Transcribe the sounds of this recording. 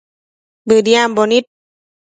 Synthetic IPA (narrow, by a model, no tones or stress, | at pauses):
bədiambɔnit̪̚